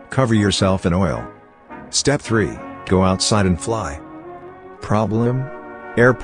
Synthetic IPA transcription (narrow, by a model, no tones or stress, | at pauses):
kʰʌvə˞jə˞sɛlˠfɨ̃ñɔɪlˠ | stɛp̚θɹḭɡ̥oʊaʊtsaɪɾɨ̃nflaɪ | pʰɹ̥ɑblə̃mɛɹpʰ